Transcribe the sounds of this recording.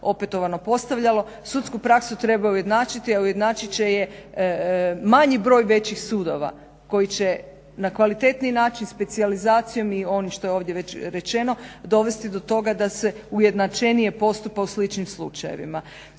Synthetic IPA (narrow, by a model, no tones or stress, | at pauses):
o̞pet̪o̞ʋano̞po̞st̪aʋʎalo̞ | sut̪skupɾaksut̪ɾe̞bauje̞d̪naːt͡ʃit̪iauje̞d̪naːt͡ʃit͡ɕe̞je̞ | maɲibɾo̞ːjʋe̞t͡ɕixsuːd̪o̞̰ʋa̰ | ko̞jit͡ɕe | nakʋalit̪e̞t̪ninaːt͡ʃinspe̞t̪sializaːt̪sijo̞mio̞nimʃt̪o̞jeo̞ːʋd̪je̞ʋe̞t͡ɕɾe̞t͡ʃe̞no̞d̪o̞ʋe̞st̪id̪o̞t̪o̞ɡad̪ase̞uje̞d̪nat͡ʃe̞nije̞po̞st̪upauslit͡ʃnimslˠṵt͡ʃajḛʋḭma